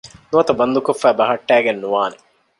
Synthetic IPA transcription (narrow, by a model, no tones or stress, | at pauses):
nuʋɐt̪ɐbɐnd̪ukofːæːbɐɦɐʈːæːɡenːuʋaːne